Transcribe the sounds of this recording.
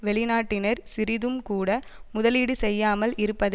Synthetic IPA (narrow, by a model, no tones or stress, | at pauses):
ʋɛɭɪnaːʈːɪnɐɾsɪɾɪðɯmkuːɽɐ | mʊðɐliːɽɯsɛjːaːmɐlɪɾɯpːɐðɐ